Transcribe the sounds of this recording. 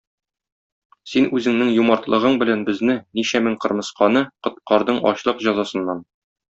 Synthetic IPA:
sinʉzɘ̆ŋnɘŋjumɑɾt̪lˠɤ̆ʁɤɴbɘ̆lænbɘ̆znɘniɕæmɘŋqɤ̆ɾmɤ̆sqɑnɤqɤ̆t̪̚qɑɾd̪ɤɴɒ̰ɕlˠɤqʑɒzɑsɤ̆nːɑn

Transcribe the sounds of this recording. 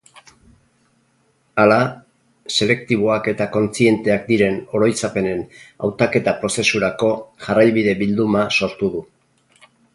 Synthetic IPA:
ala | se̞le̞kt̪iβ̞o̞ake̞t̪ako̞nt͡sie̞nt̪e̞ak̚d̪iɾe̞no̞ɾo̞jt͡sape̞ne̞na̰wt̪ake̞t̪apɾo̞se̞suɾako̞ʝarajβiðe̞bild̪umaso̞ɾt̪uðu

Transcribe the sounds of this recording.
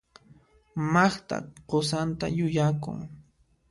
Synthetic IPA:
mɑχt̪a̰qosant̪a̰jʊjakʊ̰ŋ

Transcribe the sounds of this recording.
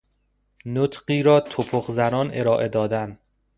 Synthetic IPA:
not̪ɢiːɾɒːt̪ʰopʰoχzænɒːne̞ɾɒːʔe̞d̪ɒːd̪æn

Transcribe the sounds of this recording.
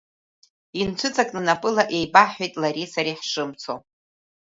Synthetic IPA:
int͡ʃʷʰɨt͡sʼakʼnɨnapʼɨlaʔe̞jbaħejtʼlaɾisaɾiħʂɨmt͡sʰo

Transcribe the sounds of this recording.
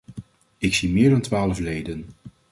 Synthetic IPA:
ɪksimɪːɹdɑntʋaːləflejdən

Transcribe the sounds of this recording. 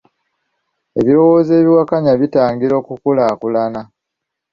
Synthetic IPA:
e̞βiɾo̞wo̞ːze̞ːβiwakaɲaβitaːŋɡiɾo̞ːkukulakulana

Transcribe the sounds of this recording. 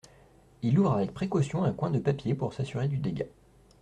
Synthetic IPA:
iluvʁavɛk̚pχekɔsjɔ̃ɛ̃kwɛ̃d̪əpapjepuʁsasyʁed̪yd̪eɡʲa

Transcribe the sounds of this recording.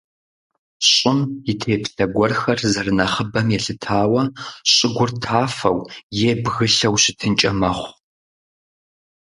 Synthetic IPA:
ɕʼɪmjɪtʰeːpʰɬɐɡʷɔrxɐrzɐrɨnɐχəbɐmjɛɬɨtʰaːwɐɕʼɪɡʷʊrtʰaːfɐwjeːbɣɨɬɐwɕɪtʰɨnt͡ʃʼɐmɐχʷ

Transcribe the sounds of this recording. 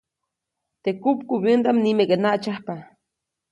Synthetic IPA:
t̪ekupkubjənd̪amnimekenaʔt͡ʃahpa

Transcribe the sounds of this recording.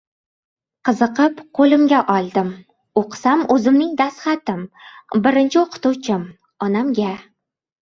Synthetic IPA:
qʰɨzɨqɨpqʰolɪmɡʲaʔɒlˠd̪ɪm | oqsamɵzɪmnɪŋd̪asχɑt̪ɪmbɪɾɪnt͡ʃʰɪoqʰʊ̥t̪ut͡ʃʰɪm | ɒnamɡʲa

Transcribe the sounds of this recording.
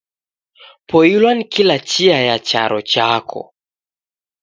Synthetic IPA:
pʰɔilwanikilat͡ʃiajat͡ʃa̰ɾɔt͡ʃakʰɔ̰

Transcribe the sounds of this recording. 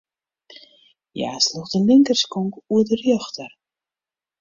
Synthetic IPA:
ja̰ːsluxdəlɪŋkərskɔŋkuədərjɔxtər

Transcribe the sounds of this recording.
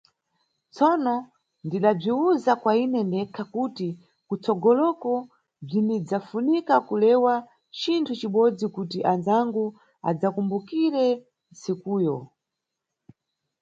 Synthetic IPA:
t͡sɔnɔ | ndiɗab͡ʐiuzakwainɛndɛkʰakuti | kut͡sɔɡɔlɔkɔ | b͡ʐinid͡zafunikakulɛwa | t͡ʃintʰut͡ʃiɓɔd͡zikutiʔanzaŋɡu | a̰d͡zakumbukiɾɛ | nsikuːjɔ

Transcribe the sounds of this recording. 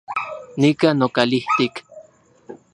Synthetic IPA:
nikanokaliht̪ik

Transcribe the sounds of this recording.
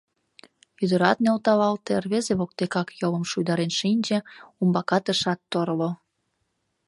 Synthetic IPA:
yd̪ə̆ɾɑt̪nelt̪ɑβɑlt̪erβezeβok̚t̪ekɑkjolə̆mʃujd̪ɑɾenʃinʲd͡ʒĕumbɑkɑt̪əʃɑt̪ːoɾlo

